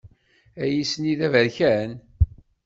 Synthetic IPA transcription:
æjisəniðævəɾçæn

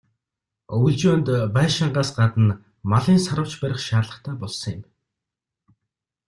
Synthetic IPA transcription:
ujɮt͡ɕʊːnt̪pæːʃaɴɢaːsɢat̪ə̆n | maɮiːnsaɾə̆w̥t͡ɕpæɾʲɪ̆χʃaːɮə̆χt̪ʰæːpɔɮsɞ̆ŋjɪm

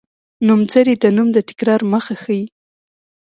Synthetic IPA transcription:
numt͡səɾid̪ənumd̪ət̪ɪ̥kɾɑɾməxaxaji

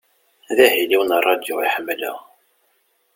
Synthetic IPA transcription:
ðæɦiliwənɑrˤːɑd̪joiħəmːlə̰

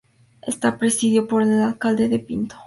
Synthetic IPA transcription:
ḛst̪apɾesiðjopoɾeelalkald̪eðepint̪o̥

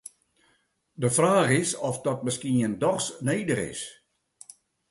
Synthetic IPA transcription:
dəfraːχɪsɔfdɔt̚məskiəndɔχsneːdəχɪ̰s

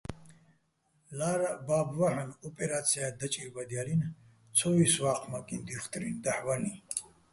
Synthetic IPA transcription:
laɾababvaħanɔpʼɛɾat̪sʰiad̪at͡ʃʼiɾbad̪ijalin | t͡sʰɔvisvaqʰmakʼind̪iχt̪ʼɾind̪aħvani

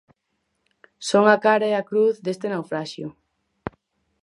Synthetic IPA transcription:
soŋakaɾaeakɾuθd̪est̪enawfɾaʃjʊ

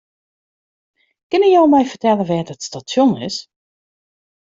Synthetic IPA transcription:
kɪnəjowmɔjfərtɛləʋɛːtətstasjonɪ̰s

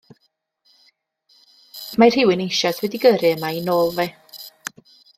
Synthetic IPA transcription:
majr̥hɪwɪnejʃaswɛdiɡəɾɨəmainoːlˠvɛ

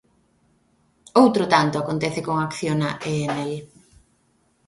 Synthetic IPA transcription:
owt̪ɾot̪ant̪ʊakont̪ɛθɪkoŋakθjonaʔeenel

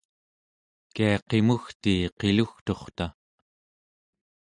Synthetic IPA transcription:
kiɑqe̞muxt̪iːqe̞luxt̪o̞χt̪a

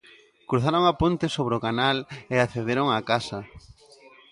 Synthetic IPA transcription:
kɾuθaɾoŋapont̪ɪsoβ̞ɾokanaleaθeðeɾoŋakasɐ

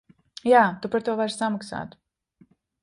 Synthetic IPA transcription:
jaːt̪upaɾt̪uɔvaɾssamaksa̰ːt̪

